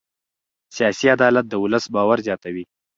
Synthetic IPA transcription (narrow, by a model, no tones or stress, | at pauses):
sijɑsiad̪ɑlat̪̚d̪əʊləsbɑwaɾzjɑt̪awi